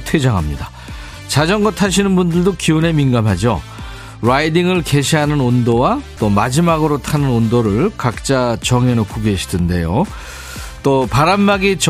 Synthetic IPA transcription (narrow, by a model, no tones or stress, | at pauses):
tʰwed͡ʑaŋɦamɲida | t͡ɕad͡ʑʌŋɡʌtʰaɕʰinɯnbundɯɭdokione̞minɡamɦad͡ʑo̰ | ɾaidiŋɯɭke̞ɕʰiɦanɯnondowat͈omad͡ʑimaɡɯɾotʰanɯnondoɾɯɭkak̚t͡ɕ͈at͡ɕʌŋenokuɡeɕʰi̥dɯnde̞jo | t͈opaɾanmaɡit͡ɕ